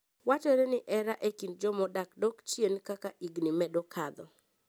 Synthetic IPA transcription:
wat͡ʃeɾenɪʔɛɾaʔekind͡ʒɔmɔdakdɔkt͡ʃjenkakaʔiɡnɪmɛdɔkʰad̪ɔ

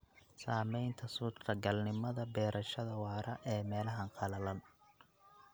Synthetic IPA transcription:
saːmɛjnt̪ʰɐsuːt̪ɾɐɡɐlnɪmɐðɐbɛːɾʔɐʃɐðɐwɑːɾʔɐ̰ʔɛːmɛːlɐɦɐnqʰɑlɐlɐn

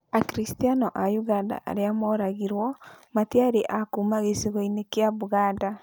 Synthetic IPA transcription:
akɾistianɔʔajuɣanda̰ʔa̰ɾeamɔɾaɣiɾwɔmatiaɾeʔakumaɣeseɣɔinekeaβuɣaːda

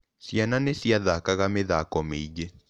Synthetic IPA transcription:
sjananesiaðakaɣameðakɔmeid͡ʒe

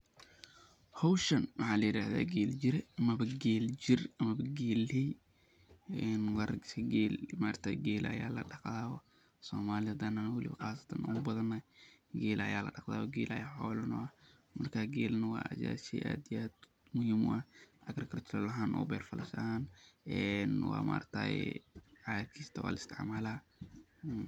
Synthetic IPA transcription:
hɔwʃɐnwɑħɑːlɐjɪɾaːða̰ːɡɛːld͡ʒɪɾɛɐmɐβɐɡɛːld͡ʒɪrɐmɐbɐɡɛːlɛj | ɛnwɑɾɐɡɪ̥sɐɡɛlmaːrt̪ʰɐɡɛːlɐ̰ja̰ːlɐ̰ɖɑqd̪aːwɔ | sɔːmaːlɪɐd̪ɐnɐnɐwɐlɪ̰βɐqɑːsɐ̥t̪ʰɐnʔɐʊbɐðɐnɐɡeːlɐ̰jaːlɐ̰ɖɑqða̰ːwɔɡeːlɐ̰jaːħɔːlɐnɔ̰ɐ | mɐrkʰaːɡɛːlnɐwa̰ːʔɐ̰sa̰ːsiʔa̰ːd̪iad̪ | mʊhiːmʊ̰ʔɐʔɐɡɾɐkʰɐrt̪ʰɪɾɔlɐɦaːnʔɔ̰ːbɛːrfɐlʔɐʃaaːnɛnwa̰ːma̰ːrt̪ʰa̰jɛ̰ʕat̪̚kʰiːst̪ʰɐwa̰ːlɪst̪ʰɪ̰ʕmaːlaː

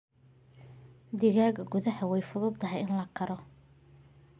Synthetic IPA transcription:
d̪ɪɣaːɡɐɡʊðɐhɐwɛjfʊðʊb̚t̪ʰɐɦɛjɪnlɐkʰɐɾɔ

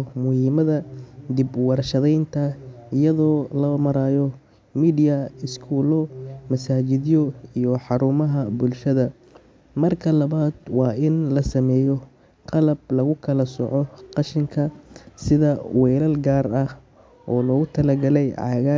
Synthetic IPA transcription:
mʊhiːmɐðɐd̪ibwɑɾɐʃɐðɛjnt̪ʰɐɪjɐðɔːlɐmɐɾaːjɔ | miːdɪjɐɪskʰuːlɔmɐsaːt͡ʃɪðjɔijɔħɑɾuːmɐɦɐbʊlʃɐðɐ | mɐrkʰɐlɐβaːd̪wɑːɪnlɐsɐmɛːjɔ | qɑlɐb̚lɐɣʊkʰɐlɐsɔ̰ʕɔqɑʃɪŋkʰɐsɪðɐwɛjlɐlɡaːrɐh | ʔɔːlɔɣʊt̪ʰɐlɐɡɐlɛjʕɑ̰ɣa

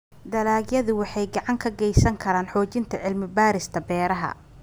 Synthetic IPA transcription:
d̪ɐlaːɡjɐðʊwɑħɑjɡɑʕɑŋkʰɐɡɛjsɐŋkʰɐɾaːnħɔːt͡ʃɪnt̪ʰɐʕɪlmɪbaːɾɪst̪ʰɐbɛːɾɐɦɐ̰

